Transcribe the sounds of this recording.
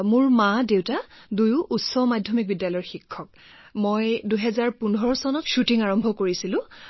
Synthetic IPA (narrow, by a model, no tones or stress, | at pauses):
mʊɹmadewtadujʊʔːtsɔmadʱjɔmik̚bidjalɔjɔɹxikʰːɔk̚ | mojduɦɛzaɹpundʱɔɹɔsɔnɔtʃutiŋaɹɔmbʱɔkoɹisilʊ̃